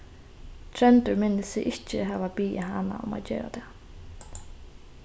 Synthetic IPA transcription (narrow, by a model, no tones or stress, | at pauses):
t̪ʰɾɛnt̪ʊɹmɪnːɪsɪʔɪht͡ʃɪɦɛːʋabiːɪɦana̰ʊma̰ðd͡ʒeːɾa̰t̪ʰɛː